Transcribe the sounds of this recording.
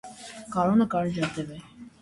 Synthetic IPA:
kɑɾɔnəkɑɾd͡ʒɑt̪ɛvɛ

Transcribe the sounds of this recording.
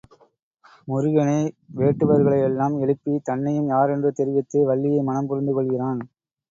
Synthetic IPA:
mʊɾɯɣɐnɐɪʋeːʈːɯʋɐɾɣɐɭɐɪɛlːaːmɛɭɯpːit̪ɐnːɐjɯmjaːɾɛndrɯt̪ɛɾɯʋɐt̪ːeːʋɐɭːɪjɐɪmɐnɐmpʊɾɪnd̪ɯkɔɭɣɪraːn

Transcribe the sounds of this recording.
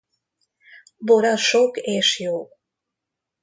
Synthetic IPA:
boɾaʃokeʃjo

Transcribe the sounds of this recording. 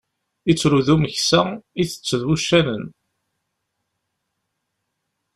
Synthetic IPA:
it͡sːɾuðuməçsæiθə̥t͡sːðwuʃːænən

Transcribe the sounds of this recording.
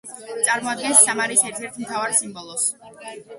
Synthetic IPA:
t̪sʼaɾmɔad̪̚ɡɛnsːamaɾisɛɾt̪ʰɛɾt̪ʰmt̪ʰavaɾsimbɔlˠɔs

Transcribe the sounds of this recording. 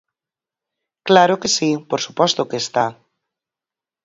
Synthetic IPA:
klaɾokesipoɾsupɔst̪okeːst̪a

